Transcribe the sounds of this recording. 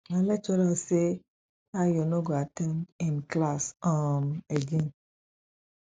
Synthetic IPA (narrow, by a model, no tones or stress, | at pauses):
alɛt͡ʃɔɾase | ajonoɡoatɛ̃ndĩnklasɔmeɡẽn